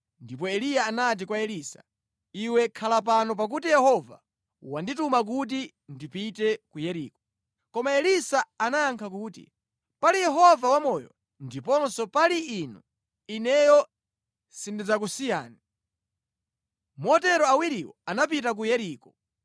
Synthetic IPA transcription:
ndip̬ɔɛlijaːnat̬ikwaɛlisḁ̰ | iwɛkʰalap̬anɔp̬ak̬utijɛhɔva̰ | wanditumak̬ut̬i | ndipitɛkujɛɾḭːkɔ | kɔmaɛlisaanaaŋkʰak̬uːtḭ | palijɛɦɔvawamɔjɔ̰ | ndipɔnsɔpaliinu | inɛjɔ | sindid͡zak̬usija̰ːni | mɔtɛɾɔawiɾiwɔ̰anap̬itak̬ujɛɾiːkɔ

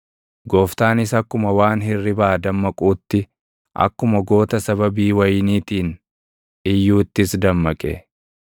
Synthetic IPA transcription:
ɡoːft̪aːnɪsɐkːʊmɐwaːnhɪrːɪbaːd̪ɐmːɐkʼuːt̪ːɪ | ʔɐ̰kːʊmɐɡo̞ːt̪ɐsɐβɐbiːwɐjniːt̪iːn | ɪjːuːt̪ːɪsd̪ɐmːɐkʼɛ̰

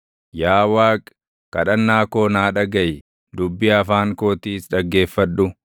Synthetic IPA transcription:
jaːwaːkʼ | kːɐᶑɐnːaːko̞ːnaːᶑɐɡɐj | d̪ʊbːɪɐfaːŋkoːt̪iːsᶑɐɡːe̞ːfːɐᶑːʊ

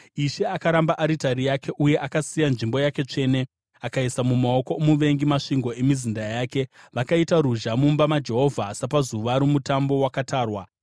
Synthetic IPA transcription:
iʃe̞akaɾambaʔaɾitaɾijake̞ʔuje̞ʔakasijanʐimbo̞jake̞t͡ʂe̞ːne̞ | akaisamumao̞ko̞muʋe̞ŋɡimaʂiŋɡo̞e̞mizindajaːke̞ʋakaitaɾuʒamumbamad͡ʒe̞ɦo̞vʱaːsapazuʋaɾumutambo̞wakataːrwa

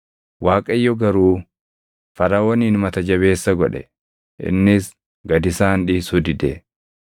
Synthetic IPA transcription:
waːkʼɐjːɔɡɐɾuː | fɐɾɐwɔniːnmɐt̪ɐd͡ʒɐβe̞ːsːɐɡɔᶑɛ̰ | ʔɪ̰nːɪs | ɡɐd̪ɪsaːnᶑiːsʊd̪ɪd̪ɛ

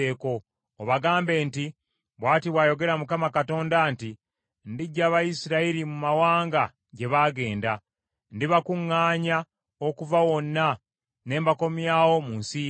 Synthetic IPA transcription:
eːko̞ː | βaɡaːmbeːnti | βwaːtiβwaːjo̞ɡe̞ɾamukamakato̞ːndanti | ndiɟːaːβajisiɾaiɾimumawaːŋɡa | ɟe̞βaːɡe̞ːnda | ndiβakuŋːaːɲa | okuvawo̞nːa | ne̞ːmbako̞mjaːwo̞munsi

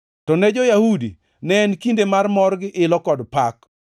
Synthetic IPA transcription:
tɔnɛd͡ʒɔjahudḭ | nɛnkindemarmɔrɡɪʔɪlɔkɔdpak

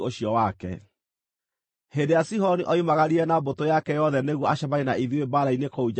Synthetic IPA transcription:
oɕiɔwakɛ̰ | hendejasiɦɔniʔɔimaɣaɾiɛnabotojakɛjɔðɛneɣwɔaɕaβaenaiðiwebaɾainekoud͡ʑ

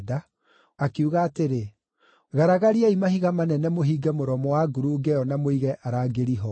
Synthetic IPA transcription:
da | akiuɣaːteɾe | ɣaɾaɣaɾiaimahiɣamanɛnɛmoɦiːɡɛmoɾɔmɔwaɡuɾuɡɛjɔnamoiɣɛʔaɾaɡeɾiɦɔ

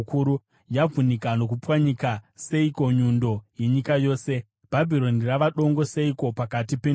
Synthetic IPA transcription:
kuɾu | jab͡vunikano̞k̬upwaɲikaseiko̞ɲundo̞je̞ɲikajo̞ːse̞ | b̥ʱabʱiɾo̞niraʋaɗo̞ŋɡo̞seiko̞pakatipe

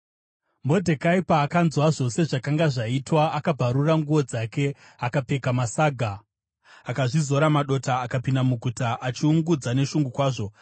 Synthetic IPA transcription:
mo̞dʱe̞kaipaːkanzwaʐo̞se̞ʐakaŋɡaʐaitwaːkabʱaɾuraŋɡuʋo̞d͡zake̞ | akape̞kamasaːɡʱa | akaʐizo̞ɾamaɗo̞taːkapindamuɡʱutaʔat͡ʃiuŋɡud͡zane̞ʃuŋɡukwaːʐo̞

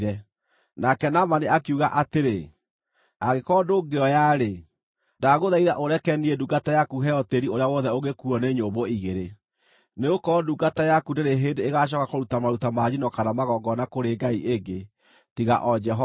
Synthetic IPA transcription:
ɾɛ | nakɛnamaneakiuɣaʔateɾe | aɣekɔdoɡeɔjaɾe | daɣoðaiðaʔoɾɛkɛniɛduɡatajakuɦɛjɔteɾioɾeawɔðɛoɣekuɔneɲoboiɣeɾe | neokɔduɡatajakudeɾeɦeːndeeɣaɕ̬ɔkakoɾutamaɾutamad͡ʑinɔkanamaɣɔɡɔnakoɾeɡaiʔeŋɡe | tiɣa̰ʔɔd͡ʒɛɦɔ

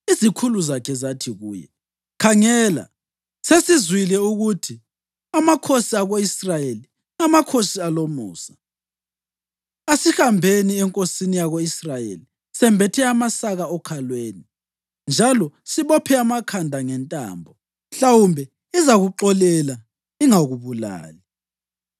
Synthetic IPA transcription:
izikʰuluzakʰɛzatʰiɣuːjɛ̰ | kʰaŋɛːla̰ | sesizwilɛuɣutʰi | amakʰosiaɣoisrajeli | ŋamakʰosialomṵːsḁ | asihambʱeniɛŋkʼosinijaɣoisrajḛli | sɛmbʱɛtʰɛamasaɣaɔkʰalweːni | nd͡ʒʱalɔsiβɔpʰɛamakʰandʱaŋɛntʼa̰ːmbʱɔ | ɬawumbʱɛ | izaɣuǃɔlɛla | iŋaɣuβula̰ːli

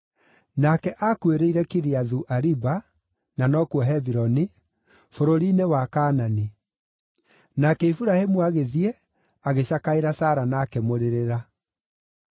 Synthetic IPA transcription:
nakɛʔakweɾeiɾɛkiɾiaðuʔaɾiba | nanɔkwɔɦɛbiɾɔni | foɾoɾinewakaːnani | nakɛifuɾahemuaɣeðiɛ | aɣeɕakaeɾasaːɾanakɛmoɾeɾeɾa

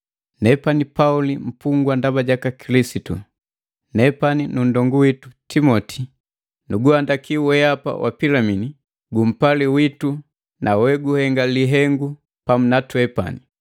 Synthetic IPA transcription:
nɛpanipaulim̩puŋɡwandabaɟakakilisitu | nɛpaninundɔŋɡuwitu̥timɔtʰi̥ | nuɡuhandakiuwɛapa̰wʔa̰pilamini | ɡum̩paliwitu | nʔawɛɡuhɛŋɡaliɦɛŋɡu | pamunatwɛpa̰ni

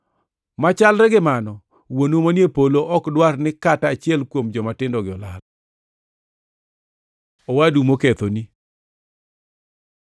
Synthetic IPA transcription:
mat͡ʃalɾɛɡɪmanɔ | wonomanepoloʔɔkdwarnɪkataːt͡ʃɪjɛlkwomd͡ʒɔmatɪndɔɡɪɔla̰l | owadumoket̪oni

